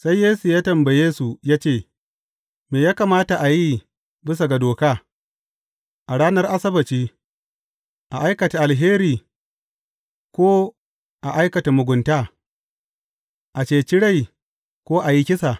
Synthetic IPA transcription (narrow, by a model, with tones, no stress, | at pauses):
sa˦jːeː˦su˨jaː˦tɐ˨mbɐ˨jeː˦su˨jaː˦t͡ʃeː˦˨ | meː˨jaː˦ka˨maː˦ta˨ʔa˨ji˦ | bɪ˦s̬a˨ɡa˨doː˨kaː˦ | ʔa˨ɽaː˦nɐ˦rʔa˦sɐ˦bɐ˨t͡ʃiː˦ | ʔa˨ʔa˦jkɐ˨ta˨ʔa˨lɦeː˦ɾiː˨ | kʷoː˦ | ʔa˨ʔa˦jkɐ˨ta˨mʊ˨ɡʷʊ˨ntaː˦ | ʔa˨t͡ʃeː˨t͡ʃɪ˦ɽa˦j | kʷoː˦ʔa˨ji˦kʲɪ˦sa˨